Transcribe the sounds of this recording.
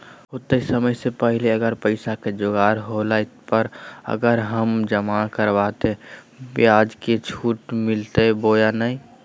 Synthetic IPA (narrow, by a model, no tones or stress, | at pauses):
ɦot̪eisəməjsepəɦɪleəɡəɾpəɪsaked͡ʒoɡaːɾɦolapəɾə̰ɡəɾɦəmd͡ʒəmakəɾbaːt̪e | beaːd͡ʒket͡ʃʰuːʈmɪlt̪eboːjanaĩ